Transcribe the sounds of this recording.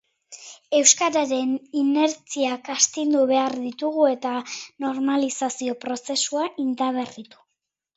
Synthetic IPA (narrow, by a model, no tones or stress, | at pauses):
e̞wskaɾaɾe̞nine̞ɾt͡siakast̪ind̪uβe̞aɾðit̪uɣue̞t̪ano̞ɾmalisasio̞pɾo̞se̞suaʔind̪aβ̞e̞rit̪u̥